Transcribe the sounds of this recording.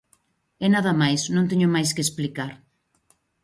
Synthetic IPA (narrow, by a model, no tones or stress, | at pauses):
enaðɐmajsnõŋt̪̬eɲomajskesplikaɾ